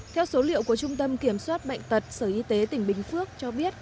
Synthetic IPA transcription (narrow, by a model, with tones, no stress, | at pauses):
t̪ʰɛ˧wso˨˦lḭ˧˨wku˧˩ət͡ɕʊ˧ŋ͡mt̪ə˧mki˧˩əmswaː˦˥t̚ɓa̰˧˨jŋ̟t̪ə˨˩t̚səː˧˩ʔi˧t̪e˨˦t̪ï˧˩ŋ̟ɓï˨˩ŋ̟fɨ˦˥ək̚t͡ɕɔ˧ɓi˦˥ət̚